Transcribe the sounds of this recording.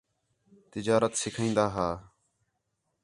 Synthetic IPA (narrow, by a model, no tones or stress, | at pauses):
t̪ɪd͡ʒaːɾət̪sɪkʰĩːnd̪aːɦaː